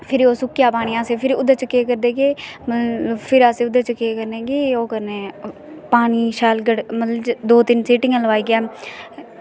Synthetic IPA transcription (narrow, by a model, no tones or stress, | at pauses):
pʰɪɾoːsʊkːjaːpaːñiːãːseːpʰɪɾʊd̪aːt͡ʃəkːeːkəɾd̪eːɡeːməpʰɪɾaːseːʊd̪at͡ʃəkːeːkəɾneːɡeːoːkəɾneː | paːniːʃaːlɡəɽmət̪ləbd̪oːt̪ɪnseːʈɪŋãːləʋaːiːɡɛː